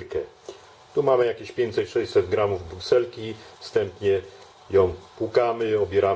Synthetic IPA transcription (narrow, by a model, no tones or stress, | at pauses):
kɛ | t̪umamɘjakʲeɕpʲjeɲt̪sɛt͡ɕʂɛɕʲsɛd̪ɡɾamuvbɾuksɛlkʲifst̪ɛmpɲɛ | jɔ̃w̃pwukamɘɔbʲjɛɾa